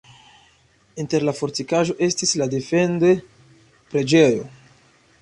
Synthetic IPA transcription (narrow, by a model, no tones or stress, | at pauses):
inte̞ɾlafo̞ɾtikaʒo̞ʔe̞stislade̞fe̞nde̞ | pɾe̞d͡ʒe̞jo̞